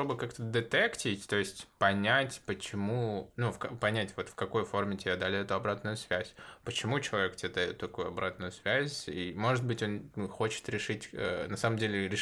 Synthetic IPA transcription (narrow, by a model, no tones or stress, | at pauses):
obɨkakt̪əd̪ɨt̪ɛktʲɪtʲt̪o̞ɪsʲtʲpɐnʲætʲpət͡ɕɪmunufkɐpɐnʲætʲvo̞t̪fkɐko̞jfo̞rmʲɪtʲɪbʲad̪alʲɪɛt̪ʊɐbɾat̪nʊjʊsvʲæzʲpət͡ɕɪmut͡ɕɪlˠɐvʲektʲɪad̪aʊt̪ːɐkujʊɐbɾat̪nʊjʊsvʲæzʲimo̞ʐɨt̪̚bɨtʲo̞nxo̞t͡ɕɪ̥t̪ɾʲɪʂɨtʲənɐsaməmdʲelʲɪɾʲɪ